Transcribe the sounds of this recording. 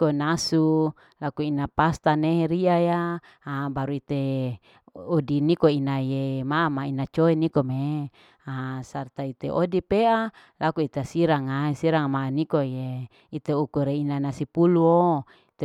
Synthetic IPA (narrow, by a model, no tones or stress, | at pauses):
konasu | lakuinapast̪aneɦeɾiajaː | baɾuit̪e | odinikoinajemamainat͡ʃoenikome | asart̪ait̪eʔodipea | lakuit̪easiɾaŋaisiɾaŋmanikoje | it̪eukuɾeinanasipuluo | it̪e